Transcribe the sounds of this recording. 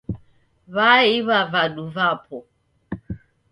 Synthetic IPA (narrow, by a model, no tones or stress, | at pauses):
βaiβavaɗuvapʰɔ